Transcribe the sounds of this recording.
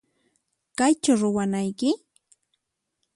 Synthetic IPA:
kajt͡ʃʊɾʊwanajkɪ

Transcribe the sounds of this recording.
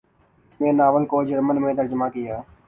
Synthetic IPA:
smẽːnaːʋəlkoːd͡ʒəɾmənmẽːt̪əɾd͡ʒəmaːkɪjaː

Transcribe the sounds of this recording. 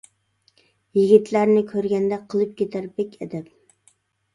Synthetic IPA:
jɪɡʲit̪ʰlæɾnɪkʲʰøɾɡʲɛnd̪ɛqʰəlˠɨp̚kʲʰet̪ʰæɾbɛkʲɛd̪ɛp̚

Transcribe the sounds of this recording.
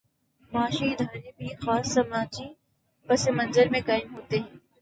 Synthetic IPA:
maːʃiɪd̪ʱaːɾebʱixaːsːɐmãːd͡ʒi | pɐsemɐ̃nzəɾmẽkaːɪmɦoːt̪eɦɛ̃ː

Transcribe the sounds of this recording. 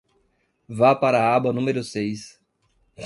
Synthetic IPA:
vapaɾɐabɐnũmeɾʊsejs

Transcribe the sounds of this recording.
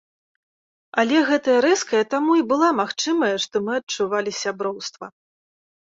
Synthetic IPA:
ɐlʲɛɣɛt̪ɐjɐɾɛskɐjɛt̪amuibɨlˠamaxt͡ʂɨmɐjɐʂt̪ɔmɨɐt͡ʂuvalʲisʲabɾɔwst̪vɐ̰

